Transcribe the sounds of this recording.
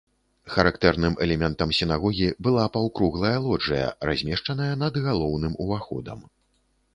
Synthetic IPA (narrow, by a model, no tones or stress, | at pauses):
xɐɾakt̪ɛrnɨmʔɛlʲɛmʲɛnt̪ɐmsʲin̪aɣɔɣʲibɨlˠapɐwkɾuɣlˠɐjɐlˠɔʐɐjɐ̰ra̰zʲmʲɛʂt͡ʂɐnɐjɐnɐd̪ɣalˠɔwnɨmuvaxɔ̰d̪ɐ̰m